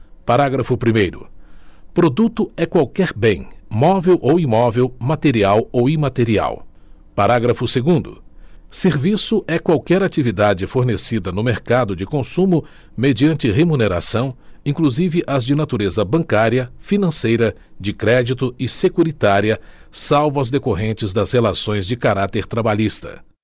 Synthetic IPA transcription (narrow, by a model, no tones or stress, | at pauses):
paɾaɡɾɐfʊpɾimejɾʊ̰pɾod̪ut̪ʊɛkwawkɛɾbẽj̃mɔvewʔowimɔvewmat̪eɾiawowimat̪eɾia̰w | paɾaɡɾɐfʊseɡũnd̪ʊ̰seɾvisʊʔɛkwawkɛɾat͡ʃivid̪ad͡ʒɪfoɾnesid̪ɐnʊmeɾkad̪ʊd͡ʒɪkõsũmʊ | med͡ʒiɐ̃nt͡ʃɪɦemuneɾa̰sɐ̃w̃ĩkluzivɪʔɐzd͡ʒɪnat̪uɾezɐbɐ̃ŋkaɾiɐfinɐ̃sejɾɐ | d͡ʒɪkɾɛd͡ʒit̪ʊɪsekuɾit̪aɾiɐsawvʊɐzd̪ekoɦẽnt͡ʃɪzd̪ɐzhelasõj̃zd͡ʒɪkaɾat̪eɾt̪ɾabaʎist̪ɐ̰